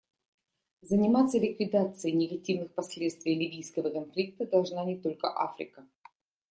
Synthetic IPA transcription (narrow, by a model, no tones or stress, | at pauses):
zənʲɪmat̪sːəlʲɪkvʲɪd̪at̪sɨjɪnʲɪɡɐtʲivnɨxpɐsʲlʲet̪st̪vʲɪjlʲɪvʲijskəvəkɐnflʲik̚t̪əd̪ɐlˠʐnanʲɪt̪o̞lʲkəʔafɾʲɪ̰kə